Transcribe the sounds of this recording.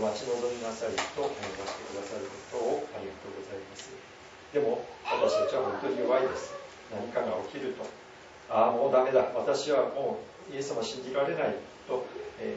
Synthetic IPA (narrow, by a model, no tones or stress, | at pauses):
mat͡ɕino̞d̪omʲinasaɾit̪o̞ʔajobaɕi̥t̪e̞kɯ̟d̪asaɾɯ̟ko̞t̪o̞ːajɯmk̪eɡo̞zaimasɨ | d̪̥e̞mo̞βat̪aɕi̥t̪at͡ɕiβaɦõ̞nt̪o̞ɲʲiɯβaid̪esɨ̥ | naɲ̟ikaɡao̞kʲiɾɯ̟t̪o̞ | aːmo̞ːd̪ame̞d̪aβat̪aɕiβamo̞ː | je̞sɨ̥samaɕĩɲ̟d͡ʑiɾaɾe̞nai | t̪o̞eː